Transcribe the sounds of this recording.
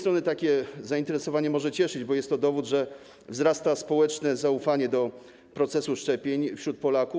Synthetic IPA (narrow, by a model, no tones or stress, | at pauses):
st̪ɾɔnɘt̪akʲɛzaint̪ɛɾɛsɔvaɲɛmɔʐɛt͡ɕɛʂɘd͡ʑbɔjɛst̪ːɔd̪ɔvud̪ʐɛ | vzɾast̪aspɔwɛt͡ʂnɛzaufaɲɛd̪ɔ | pɾɔt̪sɛsuʂt͡ʂɛpʲjeɲfɕɾut̪̚pɔlaku